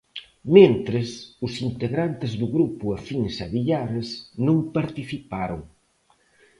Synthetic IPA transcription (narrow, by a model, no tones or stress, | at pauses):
mẽnt̪ɾesʊsint̪eɣɾant̪ɪzðʊɣɾupʊafinsaβiʎaɾesnõmpaɾt̪iθipaɾoŋ